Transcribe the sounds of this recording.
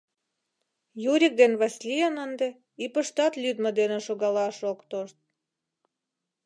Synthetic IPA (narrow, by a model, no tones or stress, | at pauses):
juɾʲik̚d̪enβæsʲlʲijənənd̪e | ipəʃt̪ɑt̪lʲyd̪məd̪enĕʃoɣɑlɑʃokt̪oʃt̪̚